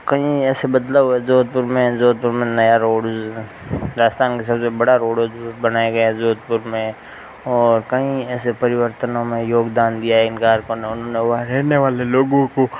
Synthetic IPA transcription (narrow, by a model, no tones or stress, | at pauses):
kɐɦĩɛːsebəd̪laɦʊezoːd̪̚pʊɾmẽzoːd̪̚pʊɾmẽnɐjaɾoːɽ | ɾaːst̪ʰaːnkesɐbsebəɽaɾoːɽbənaːeɡɐezoːd̪̚pʊɾmẽ | ɔːɾkɐɦĩɛːsepəɾɪʋəɾt̪ənõmẽjoːɡd̪aːnd̪ijaɦɛɪnkaːɾkoneʊnɦõneʋɐɾɛːneʋaːleloːɡõko